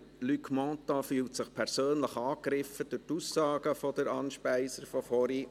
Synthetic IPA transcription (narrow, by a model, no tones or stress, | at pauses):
lykmɑ̃ːt̪ɑfyːltsɪχpʰɛɾsøːnləχɑːkɾɪfəd̥̪ʊtusːɑːɡ̥əfɔd̪̥əɾɑnʃpæɪsəɾfɔfɔɾi